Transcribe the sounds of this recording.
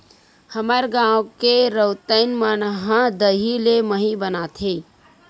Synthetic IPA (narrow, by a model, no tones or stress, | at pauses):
həməɾɡãwkeɾəwt̪əɪnmənɦə̃d̪əɦileməɦibənat̪ʰi